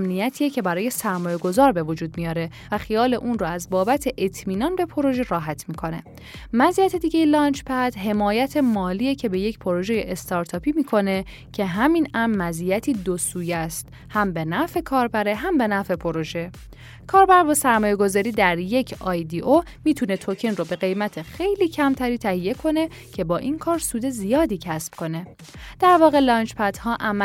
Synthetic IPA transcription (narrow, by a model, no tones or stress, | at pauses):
mnijæt̪ʰiːecʰe̞bæɾɒːje̞sæɾmɒːje̞ɡo̞zɒːɾbe̞vod͡ʒuːd̪̚mijɒːɾe | væxijɒːle̞ʔuːnrɔæzbɒːbæt̪ʰe̞ʔet̪ʰmiːnɒnbe̞pʰo̞ɾo̞ʒe̞ɾɒːɦæt̪ʰmiːkʰo̞ne̞̰ | mæziːjæt̪ʰe̞d̪iːɟe̞jelɒːnt͡ʃʰpʰæd̪̥ɦe̞mɒːjæt̪ʰe̞mɒːliːecʰe̞be̞je̞cpʰo̞ɾo̞ʒejeʔest̪ʰɒɾt̪ʰɒːpʰiːmiːkʰo̞ne̞ | cʰe̞ɦæminæmːæziːjæt̪ʰiːd̪osuːjæst̪ | hæmbe̞næfe̞kʰɒːɾbæɾe̞ɦæmbe̞næfe̞pʰo̞ɾo̞ʒe̞ | kʰɒːɾbæɾbɒːsæɾmɒːje̞ɡo̞zɒːɾiːd̪æɾje̞cʰɒːjd̪iʔo | miːt̪ʰune̞t̪ʰocʰenrobe̞ɣe̞jmæt̪ʰe̞xe̞jliːcʰæmt̪ʰæɾiːt̪ʰæhije̞kʰo̞ne̞ | cʰe̞bɒːʔinkʰɒːɾsuːd̪e̞zijɒːd̪iːcʰæsb̥kʰo̞ne̞ | d̪̥æɾvɒːɣe̞lɒːnt͡ʃpʰæd̪̥hɒːʔæm